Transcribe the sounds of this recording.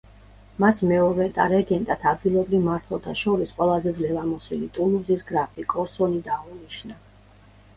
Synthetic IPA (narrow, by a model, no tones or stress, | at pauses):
masmɛɔvɛt̪ʼa̰ɾɛɡɛnt̪ʼat̪ʰab̪ɡilˠɔbɾivmaɾt̪ʰwalˠt̪ʰaʃɔɾisqʼwɛlˠazɛd̪zlɛvamɔsilit̪ʼuluzisɡɾapʰikʼɔɾsɔnid̪auniʃna